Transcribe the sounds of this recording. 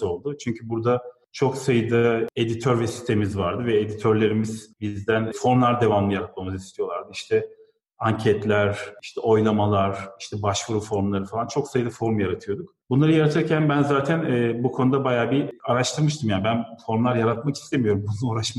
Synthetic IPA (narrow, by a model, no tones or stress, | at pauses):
o̞lˠd̪ʊt͡ʃʰyɲcʰybuɾd̪a | t͡ʃʰo̞ksajɯd̪ae̞d̪it̪ʰøɾvɛsi̥st̪ʰe̞mizvaɾd̪ɯvɛed̪it̪ʰøɾlʲe̞ɾimiz̥bizd̪ænfo̞ɾmlˠaɾd̪e̞vanlˠɯjaɾat̪̚mamɯzist̪ʰijo̞lˠaɾd̪ɯiʃt̪ʰɛ | aɲcʰɛt̪lʲæɾiʃt̪ʰɛʔo̞jlˠamalˠaɾ̥iʃt̪ʰɛbaʃfɯɾɯfo̞ɾmlˠaɾɯfalˠant͡ʃʰo̞ksajɯd̪ɯfo̞ɾmjaɾat̪ʰɯjo̞d̪ukbunˠaɾɯjaɾat̪ʰɯɾcʰænbænzaːt̪ʰænɛːbukʰo̞nud̪abajaːbiaɾaʃt̪ʰɯɾmɯʃt̪ʰɯmjabænfo̞ɾmlˠaɾjaɾat̪̚makist̪ʰemijo̞ɾumbununoɾaʃm